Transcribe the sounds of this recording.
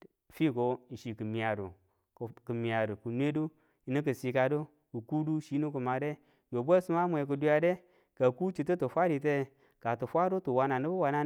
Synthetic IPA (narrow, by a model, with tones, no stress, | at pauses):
fi˦˨ko˨i˨ʃi˨kə˨mi˨a˨do˨ | kə˨mi˨a˨do˨ku˨nʷ˦e˦du˦ | i˨nə˦k̬ə˨si˨ka˨do˦ | ku˨ku˦du˦ʃi˦nu˦ku˨ma˨de˦ | jo˨bʷe˦su˦ma˦mʷ˨e˨k̬u˨du˦ja˨de˦ | ka˨ku˦t͡ʃi˨tu˦tu˨fʷa˦ɾi˨t̬e˦ | ka˨tu˨fʷa˦do˦tu˨wa˨na˨nə˦bu˦wa˨na˦